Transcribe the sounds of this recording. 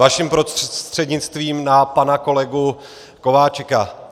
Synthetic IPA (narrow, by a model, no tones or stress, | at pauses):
aʃimpɾost̪r̥ɛdɲɪt͡st̪viːmnapanako̞lɛɡu | ko̞vaːt͡ʃka